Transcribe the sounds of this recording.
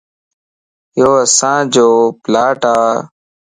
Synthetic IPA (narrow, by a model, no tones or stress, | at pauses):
joːəsãːd͡ʒoːplaːʈaː